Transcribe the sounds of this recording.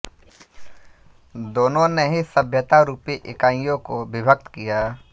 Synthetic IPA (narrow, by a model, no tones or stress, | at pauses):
d̪oːnõneɦisəbʱjət̪aɾuːpiʔɪkaːijõkobɪbʱək̚t̪kijaː